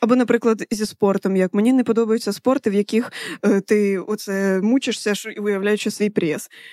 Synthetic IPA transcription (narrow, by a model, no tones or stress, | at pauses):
ɐbɔnɐpɾɪklˠɐd̪zʲispɔrt̪ɔmjɐkmenʲinɛpɔd̪ɔbɐjʊt͡sʲːɐspɔrt̪ɪwjɐkʲixt̪ɪɔt̪sɛmut͡ʃɪʂsʲɐʃiʋʊjɐwlʲajʊt͡ʃɪsʋʲijpɾʲɛs